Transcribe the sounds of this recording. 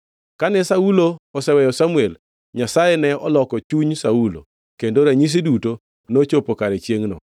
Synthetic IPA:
kanɛsauloɔsɛwɛjɔsamuel | ɲasajenɛɔlɔkɔt͡ʃuɲsaulo̰ | kendoɾɛɲis̬iduto | not͡ʃopokaɾɛt͡ʃjeŋnɔ̰

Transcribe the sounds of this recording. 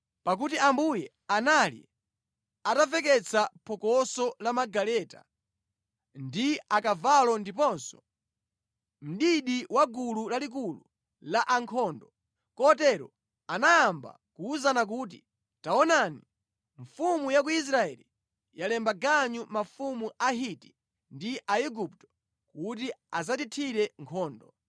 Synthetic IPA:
pak̬utiambujɛ | analḭ | atavɛk̬ɛt͡sʰapʰɔkɔsɔlamaɡalɛta̰ | ndiakavalɔndipɔnsɔ̥ | m̩ɗiɗiwaɡululalik̬ulṵ | laʔaŋkʰɔːndɔ | kɔtɛɾɔ̰ | anajamba̰kuːzanak̬uːt̬i | taɔnani | ɱfumujak̬uis̬ɾaɛli | jalɛmbaɡaɲumafumuʔaɦiti̥ | ndiʔaiɡuptɔ̥ | kut̬iazatitʰiɾɛŋkʰɔːndɔ

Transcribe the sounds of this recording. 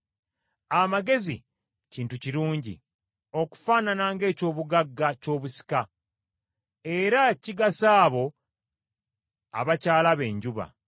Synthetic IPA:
amaɡe̞zḭ | ciːntuciɾuːɲɟḭ | o̞ku̥faːnanaːŋɡe̞ːco̞ːβuɡaɡːaco̞ːβusi̥ka | e̞ɾaciɡasaːβo̞ | a̰βacaːlaβe̞ːɲɟuβa̰

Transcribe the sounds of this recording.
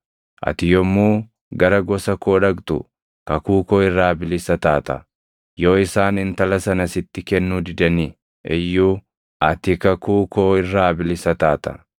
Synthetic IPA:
ʔɐ̰t̪ɪjɔmːuː | ɡɐɾɐɡɔsɐkoːᶑɐɡt̪ʊ̰ | kɐkuːkoːɪrːaːbɪlɪsɐt̪aːt̪ɐ̰ | jo̞ːɪsaːnɪnt̪ɐlɐsɐnɐsɪt̪ːɪkɛnːuːd̪ɪd̪ɐnɪ | ʔɛjːuː | ʔɐt̪ɪkɐkuːkoːɪrːaːbɪlɪsɐt̪aːt̪ɐ̥̰

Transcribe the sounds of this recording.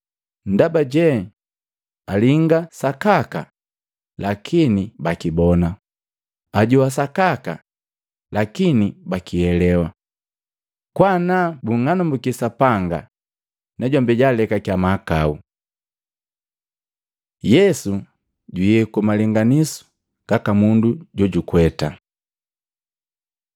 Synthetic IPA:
n̩dabaɟɛ | aliŋɡasakaka̰ | lakʰinibakibɔna | aɟuwas̬akaka̰ | lakinibakiɛlɛwa | kwanabuŋanambukisapaŋɡa̰ | naɟɔmbɛɟalɛkakjamakau | jɛsu | ɟijɛkumaliŋɡanisu̥ | kakamunduɟɔɟukwɛta

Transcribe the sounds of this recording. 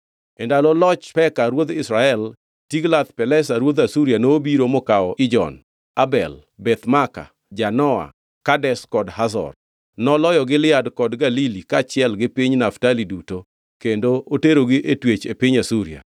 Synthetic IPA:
ɛndalɔlɔt͡ʃpɛkaɾwod̪ɪsɾaɛl | tiɡlat̪pɛlɛsaɾwod̪asuɾianoːbiɾomɔkaɔʔɪd͡ʒɔ̰n | abɛ̰l | bɛt̪maka̰ | d͡ʒanɔa̰ | kadɛskɔdhasɔ̰r | nɔlɔjɔɡɪlɪadkɔdɡalilikat͡ʃɪɛlɡɪpiɲnaftaliduto | kendooteɾoɡiʔetwet͡ʃepɪɲasuɾia̰

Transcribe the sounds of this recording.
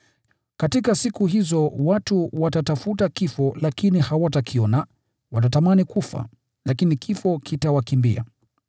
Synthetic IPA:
katikasikuɦizɔwatuwatatafutakifɔlakinihawatakʰiɔna | watatamanikufa̰ | lakinikʰifɔkʰitawakimbḭa̰

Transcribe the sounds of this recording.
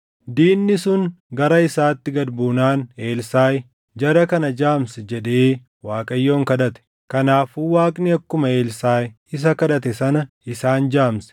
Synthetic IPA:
d̪iːnːɪsʊŋɡɐɾɐɪsaːt̪ːɪɡɐd̪buːnaːne̞ːlsaːj | d͡ʒɐɾɐkɐnɐd͡ʒaːmsɛd͡ʒɛᶑeː | waːkʼɐjːo̞ːŋkɐᶑɐt̪ɛ̥ | kɐnaːfuːwaːkʼnɪɐkːʊmɐe̞ːlsaːj | ɪs̬ɐkɐᶑɐt̪ɛsɐnɐ | ɪsaːnd͡ʒaːmsɛ̥

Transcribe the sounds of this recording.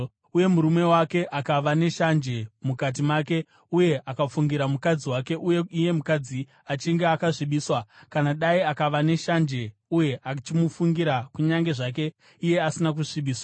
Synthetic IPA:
uje̞muɾume̞wake̞ʔakaʋane̞ʃand͡ʒe̞mukat̬imaːke̞ | uje̞ʔakafuŋɡiɾamukad͡ziwake̞ʔujeije̞mukad͡zi | at͡ʃiŋɡeakaʐiɓiːswakanaɗaiakaʋane̞ʃand͡ʒe̞uje̞ʔat͡ʃimufuŋɡiɾakuɲaŋɡe̞ʐak̬e̞ | ije̞asinak̬uʂiɓiːswa

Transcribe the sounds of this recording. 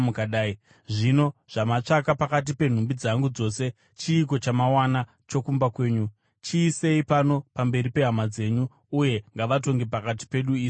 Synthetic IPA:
mukaɗaːi | ʐino̞ʐ̥amat͡ʂakapakat̬ipe̞n̤umbid͡zaŋɡud͡zo̞se̞ | t͡ʃiːk̬o̞t͡ʃamawana | t͡ʃo̞kumbakwe̞ːɲu | t͡ʃiːse̞ipano̞pambe̞ɾipe̞ɦamad͡ze̞ɲuː | je̞ŋɡaʋat̬o̞ŋɡe̞pakat̬i̥pe̞ɗuiːi

